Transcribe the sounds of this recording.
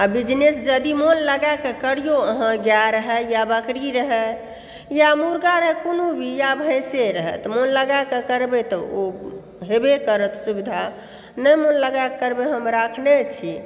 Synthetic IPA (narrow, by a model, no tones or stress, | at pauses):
abid͡ʒnesd͡ʒəd̪imonləɡakekəɽijoəɦãɡjaɾəɦɛjabəkɾiɾəɦɛ | jamuɾɡaɾəɦɛkonobʱijabʱəseɾəɦɛ̰t̪monləɡakekəɾbet̪ɔo | ɦebekəɾət̪subid̪ʱa | nəjmonləɡakkəɾbeɦəmɾakʰnet͡ʃʰi